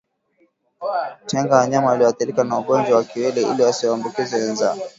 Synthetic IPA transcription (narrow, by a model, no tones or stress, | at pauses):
tɛŋɡawaɲamaaliɔwaθiɾikanauɡɔnd͡ʒwawakiwɛlɛḭliwasiwambukizɛwɛnzaɔ